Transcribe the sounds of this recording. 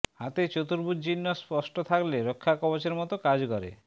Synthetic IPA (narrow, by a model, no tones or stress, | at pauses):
hat̪et͡ɕot̪uɾbud̪d͡ʑinːospɔsʈot̪ʰakleɾokʰːakɔbot͡ɕeɾmɔt̪okad͡ʑkɔɾḛ